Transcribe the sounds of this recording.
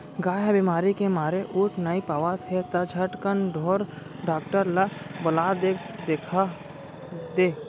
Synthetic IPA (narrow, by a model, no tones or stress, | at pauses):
ɡaːjabimaːɾikemaːɾeʔʊʈʰnɐipaːʋat̪et̪əd͡ʒʱəʈkənɖʱoːɾ | ɖaːk̚ʈəɾlabəlaːd̪ed̪eːkʰa | d̪eː